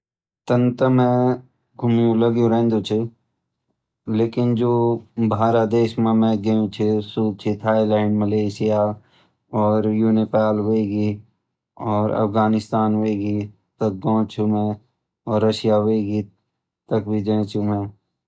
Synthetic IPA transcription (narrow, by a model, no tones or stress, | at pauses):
t̪ənt̪əmẽ | ɡʱʊmjũləɡjũɾẽːnd̪ut͡ʃʰi | leːkɪnd͡ʒoːbʱaːɾad̪eːʃmẽmẽɡəjũt͡ʃʰisuːd̪̚t͡ʃʰit̪ʰaːjlɛːɳɖməleːʃɪja | ɔːɾjuːnepaːlɦoeɡi | ɔːɾɐ̰fɡaːnɪst̪aːnɦoeɡi | t̪ək̚ɡɔ̃ːt͡ʃʰumẽ | ɔːɾːɐʃijaɦoeɡi | t̪əkbʱid͡ʒẽːt͡ʃʰumẽ